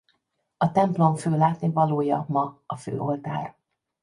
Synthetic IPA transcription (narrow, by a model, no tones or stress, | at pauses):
ɒt̪ɛmplo̞ɱføːlaːt̪nivɒloːjɒmɒɒfø̰ːʔo̞lt̪a̰ːr